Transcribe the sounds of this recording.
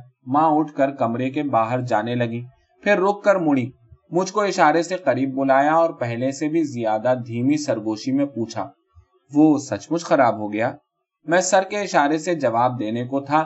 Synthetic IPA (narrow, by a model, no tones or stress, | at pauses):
mãːʊʈʰkəɾkɐmɾekebaːɦəɾd͡ʒaːnelɐɡĩː | pʰɪɾːʊkːəɾmʊɽ̃iː | mʊd͡ʒʱkoɪʃaːɾeseqɐɾiːb̚ːʊlaːjaɔːɾpɛɦlẽsebʱizijaːd̪ad̪ʱiːmisɐɾɡoːʃimẽpuːt͡ʃʰa̰ː | ʋoːsɐt͡ʃmʊd͡ʒʱxɐɾaːbɦoɡɐjaː | mɛ̃ːsɐɾkeɪʃaːɾesed͡ʒɐʋaːb̚d̪eːnekot̪ʰaː